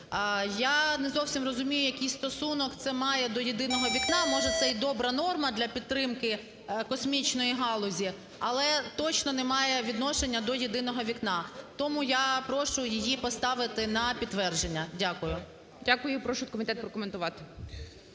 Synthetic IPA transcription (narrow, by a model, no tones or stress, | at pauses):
janɛzɔwsʲimrɔzʊmʲijʊjɐkijst̪ɔsunɔkt̪sɛmɑjɛd̪ɔjɪd̪ɪnɔɦɔʋʲiknɑmɔʒɛt̪sɛjid̪ɔbɾɐnɔrmɐd̪lʲɐpʲid̪t̪ːɾɪmkɪ | kɔsmʲit͡ʃnɔjiɦɑlˠɔzʲi | ɐlˠɛt̪ɔt͡ʃnɔnɛmɑjɛʋʲid̪nɔʃenʲːɐd̪ɔjɪd̪ɪnɔɦɔʋʲiknɑt̪ɔmʊjapɾɔʃʊjɪjipɔst̪ɑʋɪt̪ɪnɐpʲid̪tːʋɛrʒe̞nʲːɐdʲakʊjʊ | dʲakʊjʊpɾɔʃʊt̪̚kɔmʲɪt̪ɛt̪̚pɾɔkɔment̪ʊʋɑt̪ɪ̥